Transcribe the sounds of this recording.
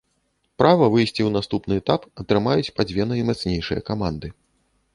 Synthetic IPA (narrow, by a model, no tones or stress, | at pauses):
pɾʔavɐvɨjsʲt͡sʲiwnast̪upnɨɛt̪apɐt̪ɾɨmajut͡sʲpad͡zʲvʲɛnɐimat̪snʲejʂɨjɐ̰kamand̪ɨ